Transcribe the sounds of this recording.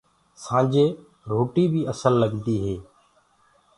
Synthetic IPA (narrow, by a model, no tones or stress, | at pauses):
sãːd͡ʒeː | ɾoːʈiːbiːəsəlːəɡd̪iːɦeː